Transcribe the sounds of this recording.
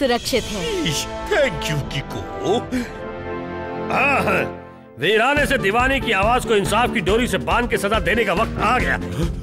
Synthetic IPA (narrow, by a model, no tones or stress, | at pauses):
sʊɾɐkʃɪt̪ɦɛʃt̪ʰɛ̃ːkjũkiko̰ː | ɦãːɦɛ̃ː | ʋeːɾaːnesed̪ɪʋaːnikiaːʋaːzkoɪnsaːfkiɖoːɾisebãːnd̪̚kesɐzad̪eːnekaʋɐq̚t̪aːɡɐja̰ː